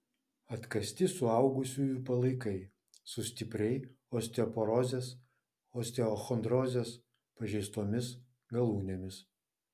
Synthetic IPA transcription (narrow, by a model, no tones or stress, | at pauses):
ɐt̪kɐsʲt̪ʲɪsʊɑˑʊɡʊsʲuːjʊpɐlˠɐɪkɐɪ | sʊsʲt̪ʲɪpʲɾʲɛɪ | oːsʲt̪ʲɛɔpɔɾɔzʲeːs | oːsʲt̪ʲɛɔxɔnd̪ɾɔzʲeːs | pɐʒʲɛɪst̪oːmʲɪs | ɡɐlˠuːnʲemʲɪs